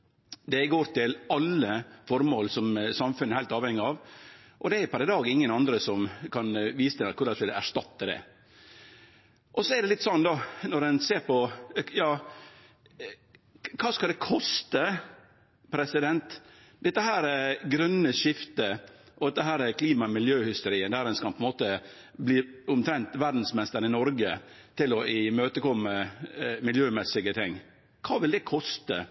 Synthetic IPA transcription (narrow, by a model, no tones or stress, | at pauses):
d̪ɛɡoːɾt̪ɪlɑlːəfɔɾmoːlsɔmsɑmfʉnːəɾhæɪlt̪ɑːʋhɛŋːɪɑʋ | ʔɔd̪ɛæɾpɑɾɪd̪ɑːɡɪŋːənɑnd̪ɾəsɔmkʰɑnʋiːsət̪ʰɪnɛkʊɾɑsʋɪlæ̰ʂt̪ɑt̪ːəd̪ɛ̰ | ʔɔsɔɛɾd̪ɛlɪt̪ːsɔnːd̪ɑnɔɾdɛnseːɾpɔjɑː | kʰɑːskɑld̪ɛkʰɔst̪ə | pʰɾɛsɪd̪ɛnt̪ | d̪ɛt̪ːəɦæːɾɛɡɾœnːəʂɪft̪ə | ʔɔd̪ɛt̪ːəɦæːɾɛkʰliːmɑmɪljøːhɪst̪əɾiːənd̪æːɾɛnskɑpʰɔɛnmoːt̪ə | bliːʊmt̪ʰɾɛnt̪ʋæɾd̪n̩smɛst̪əɾənɪnɔɾɡə | t̪ɪlɔʔɪmøːt̪əkɔmːəmɪljøːmɛsːɪɡət̪ʰɪŋː | kʰɑːʋɪld̪ɛkʰɔst̪ə̰